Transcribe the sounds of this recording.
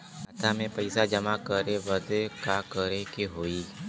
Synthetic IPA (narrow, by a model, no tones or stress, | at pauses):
ɐt̪ʰamẽpɐɪsad͡ʒɐmakəɾeʋəd̪ekakəɾekiɦoːiː